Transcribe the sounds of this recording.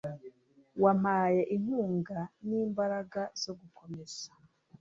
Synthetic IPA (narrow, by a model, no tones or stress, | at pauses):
wam̥aːje̞ʔiŋuːŋɡaniːmbaɾaɡaz̥o̞ɡuko̞me̞z̥ḁ